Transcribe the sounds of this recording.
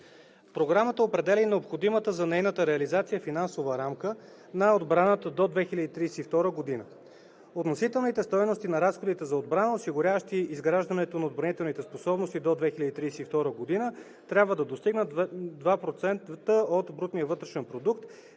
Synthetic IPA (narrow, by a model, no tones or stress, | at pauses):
pɾoɡɾamət̪əopɾɛd̪ɛlinɛopxod̪imət̪əzɐnɛjnət̪əɾɛɐlizat̪sijəfinansovəɾamkə | nɐod̪bɾanət̪əd̪od̪vɛxilʲɐd̪it̪ɾiːsɛift̪ɔɾəɡod̪inə̰ | ot̪nosit̪ɛlˠnit̪ɛst̪ɔjnost̪inɐɾasxod̪it̪ɛzɐod̪bɾanəosiɡʊɾʲavəʃt̪iizɡɾaʒd̪ənɛt̪onɐod̪̚bɾɐnit̪ɛlˠnit̪ɛsposɔbnost̪id̪od̪vɛxilʲɐd̪it̪ɾisɛift̪ɔɾəɡod̪inə | t̪ɾʲabvəd̪ɐd̪ost̪iɡnəd̪vapɾot̪sɛnt̪t̪əot̪bɾut̪nijəvɤt̪ɾɛʃɛnpɾod̪ukt̪